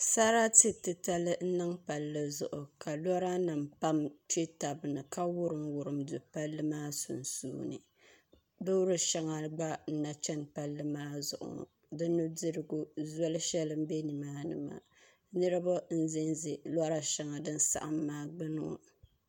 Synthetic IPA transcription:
sa˦ɾa˦tɨ˨tɨ˨ta˦lɨ˦n̩˦nɨ˦ŋpa˨lːɨ˦zʊ̰˨ʔʊ˨ka˨la˦ɾa˦na˨mpa˦mt͡ʃe˦ta˨bɨ˨nɨ˨ka˦wʊ˦ɾɨ˨mwʊ˨ɾɨ˨mdu˨pa˦lːɨ˦maː˦sṵ˨nsṵː˦nɨ̰˨ | do˦ɾɨ˦ʃɛ˦ŋa˨ɡ͡ba˦n̩˦na˨t͡ʃɛ˦npa˦lːɨ˦maː˦zʊ̰˨ʔʊ̰˨ | dɨ˦nu˦dɨ˦ɾɨ˦ɡu˦zɔ˦lɨ˦ʃɛ˦lɨ˦m˦be˦ni˨maː˦nɨ̰˨ma̰˨ | nɨ˦ɾɨ˦ba˦n̩˦zɪ˦nze˨la˦ɾa˦ʃa˦ŋa˨dɨ˦n˦sa̰˨ʔa˨mːaː˦ɡ͡bɨ˦nʊ̰˦˨

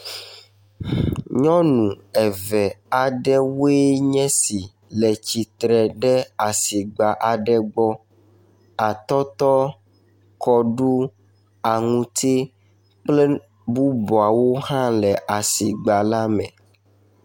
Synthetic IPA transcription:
ɲɔ̃˦nũ˨ɛ˨vɛ˨a˨ɖɛ˦wo˦e˦ɲɛ̃˦si˨ | lɛ˨t͡ɕi˨t̪ɾɛ˨ɖɛ˦a˨si˨ɡ͡ba˨ʔa˨ɖɛ˦ɡ͡bɔ˦ | a˨t̪ɔ˦t̪ɔ˦ | kʰɔ˦ɖu˦ | a˨ŋũ˦t̪e˦ | k͡plɛ˦ | bu˦bɔ˨a˨wo˦hã˦lɛ˨ʔa˨si˨ɡ͡ba˨la˦mɛ̰̃˨

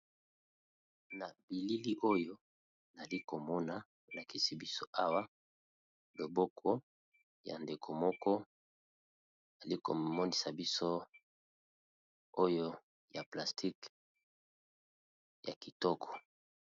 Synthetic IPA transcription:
na˨b̥i˨li˦li˦ʔo˦jo˦ | na˨li˦ko˨mɔ˦na˨ | o˨la˨ki˦si˨bi˦so˦ʔa˦wa˦ | lo˨bɔ˦kʰɔ˦ | ja̰˨nde˨kʰo˨mɔ˦kɔ˦ | a˨li˦ko˨mɔ˦ni˨sa˨bi˦so˦ | o˦jo˦ | ja˨pla˨stʰi˦k | ja̰˨ki˨tɔ˦kʰɔ̥˨

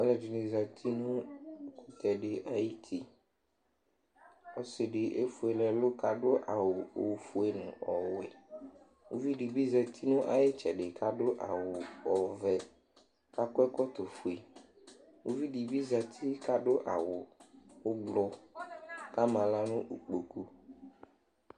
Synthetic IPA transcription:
ɛ˦lɛ˨d͡ʒi˨nẽ˨za˨t̪ʰi˦nũ˦kʊ˨t̪ɛ˨ɖɪ˨ʔa˨ji˦t̪ʰi˦ | ɔ˦sɪ˨ɖɪ˨ʔe˦fu˨e˨lɛ˨lʊ˦ka˨ɖo˦ʔa˨wo˨o˨fu˦e˦nʊ̃˨ɔ˨wɛ˨ | wu˦vi˦ɖi˨bi˦zɛ˨t̪ʰi˦nʊ̃˦ʔa˨je˦t͡ʃɛ˨ɖɪ˨kʰa˦ɖo˦ʔa˨wʊ˨ɔ˨vɛ˨ | ka˦kɛ˦kɔ˦t̪o˨fu˨e˨ | wu˦vi˦ɖi˨bi˦za˨t̪ʰi˦ka˦ɖo˦ʔa̰˨wʊ˨wʊ˦ɡ͡blɔ˦ | ka˦mã˨la˦nʊ̃˦ʔu˨k͡po˨ku˦

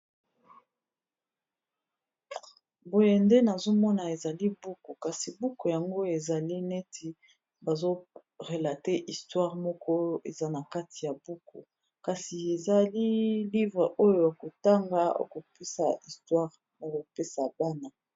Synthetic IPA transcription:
bo˦je˦˨nde˦na˨zo˦mɔ˦na˨e˨za˨li˦bu˦ko˨ka˨si˨bu˦ko˨ja˨ŋɡo˦e˨za˨li˦nɛ˦ti˦ | ba˨zo˦ | ʁe˨la˨te˦ʔi˨stwa˦ʁmɔ˦kɔ˦e˨za˦na˨ka˦tʰi˨ja˨bu˦ko˨ | ka˨si˨e˨za˨li˦li˦vʁe˨ʔo˦jo˨ja˨ko˨ta˦ŋɡa˦o̰˦ko˨pe˦sa̰˨i˨stwa˦ʁ | na˨ko˨pe˦sa˨ba˦na˨

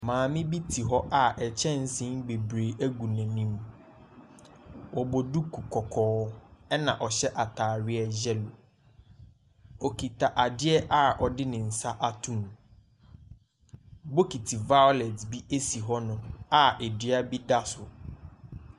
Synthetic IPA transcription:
mãː˨mɪ̃˦bi˦tʰi˨ɦɔ˦ʔa˨ʔɛ˨t͡ɕʰɛ̃˦n˦sɪ̃˦ŋ˦ɡ͡be˨bɾe˨ʔæ˦ɡu˨nɛ̃˨nĩ˦m | wɔ˨bɔ˨du˦kʰu˨kʰɔ˨kʰɔː˨˦ɛ˦nã˨ʔɔ˨ɕɛ˦ʔa˨tʰaː˨ɾɪ˦ɛ˦d͡ʑɛ˦lo˨ | ɔ˨ki˨ta˨ʔa˨dɪ˦ɛ˦ʔa˦ʔɔ˨dɪ˦nɪ̃˨n̩˨sa˦ʔa˦tʰũ˦˨m | bo˦ki˨tʰi˨va˦jɔ˦lɛ˨tbi˦ʔe˦si˨ɦɔ˦nʊ̃˦a˦ʔe˨di˦a˦bi˦da˦sʊ˨

